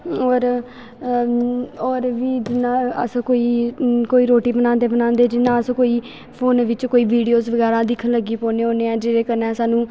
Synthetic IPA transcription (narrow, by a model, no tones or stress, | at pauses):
ɔːɾ | ɔːɾʋiːd͡ʒɪnãːə̰skoːiːkoːiːɾoːʈiːbənãːnd̪eːbənãːnd̪eːd͡ʒɪnːãːəskoːiː | pʰoːnʋɪt͡ʃkoːiːʋiːɖijoːzʋəɡɛːɾãːd̪ɪkʰːənləɡiːpoːneːoːneːãːd͡ʒeːɾeːkəɾnɛ̃ːsaːnũː